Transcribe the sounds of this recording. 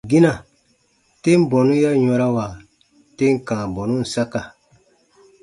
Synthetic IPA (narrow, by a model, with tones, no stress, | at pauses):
ɡĩ˦nã˨ | te˦m˦bɔ˨nũ˦ja˦ɲɔ̃˧ɾa˦wa˨ | te˦ŋ˦kãː˨bɔ˨nũ˦n̩˨sa˦ka˨